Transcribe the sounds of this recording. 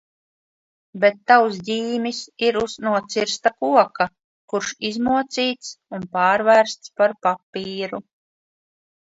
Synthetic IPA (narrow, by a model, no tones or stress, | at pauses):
bet̪ːawsdʲiːmisiɾuznuɔt̪siɾst̪akuɔka | kuɾʃizmuɔt̪siːt̪sunpaːɾvæɾst̪spaɾpapːiːɾu